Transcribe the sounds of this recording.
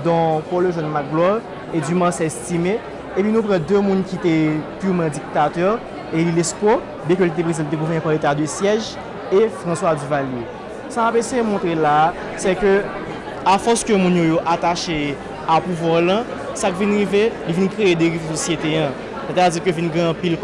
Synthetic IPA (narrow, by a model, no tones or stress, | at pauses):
d̪ɔ̃pɔløʒɔnmaɡlɔʁ | edymasɛst̪imeː | pɥinũpʁãd̪ømũnkit̪epyʁmɐ̃d͡zik̚t̪at̪œʁ | elilespɔ | bjɛ̃k̬ølit̪̬epɣezãlit̪eɡuvɛnĩpalet̪ad̪øsjɛʒ | efʁɐ̃swad͡zyvalje | samapesejemɔ̃t̪ʁelaː | sɛkø | afɔskømũnjojoʔat̪aʃe | apuvwaʁlɐ̃ | sakivinɣivelivinkʁeed̪eʁivsosjet̪eɐ̃ | set̪ad͡zikøvinɡɛ̃ɐ̃pil